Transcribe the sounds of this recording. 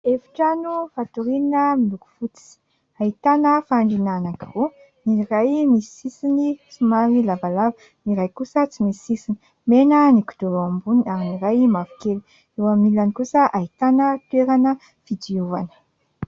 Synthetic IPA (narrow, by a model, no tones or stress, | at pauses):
efi̥ʈ͡ʂanufat̪uɾinəmiluku̥fut͡s̪i̥i̥ | ait̪anəfaɳɖ͡ʐinanakiru | nirajmisisinisumaɾilavalavə | niɾajkusət͡simiisini | menəniku̥d̪̥ulambuniaminiɾajmafi̥kelu̥ | ewamilanikusəʔait̪anət̪weɾanə | fidiuvanə̥